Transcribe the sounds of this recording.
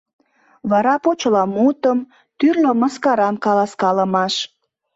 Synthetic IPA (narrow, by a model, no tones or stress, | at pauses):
βɑɾɑpot͡ɕəlɑmut̪əm | t̪yrloməskɑɾɑnkɑlɑskɑləmɑʃ